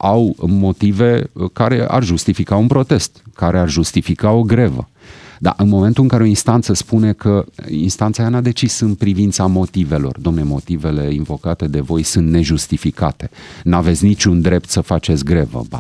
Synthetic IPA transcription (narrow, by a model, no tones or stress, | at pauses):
awmo̞t̪ive̞kaɾe̞̰ʔa̰rʒust̪ifikaunpɾo̞t̪e̞st̪kaɾearʒust̪ifikao̞ɡɾevə̰ | d̪a̰ʔɨnmo̞ment̪ulɨŋkaɾe̞o̞inst̪ant̪səspune̞kʰəinst̪ant̪sajanad̪e̞t͡ʃisɨnt̪̚pɾivint̪samo̞t̪ive̞lo̞̰rd̪oomnemo̞t̪ive̞le̞invo̞kat̪e̞d̪e̞vo̞jsɨnt̪ne̞ʒust̪ifikat̪e̞̥nave̞t̪sʲnit͡ʃund̪ɾe̞p̚t̪səfat͡ʃe̞t̪sʲɡɾevə̰b